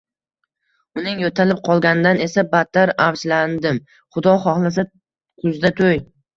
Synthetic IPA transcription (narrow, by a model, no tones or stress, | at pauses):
ʊnɪŋjot̪ʰalɪp̚qʰɒlˠɡʲanɪd̪ane̞sabat̪ʰːaɾaft͡ʃland̪ɪm | χʊd̪ɒχɒχlˠas̬a | kʰʊzd̪at̪ʰoj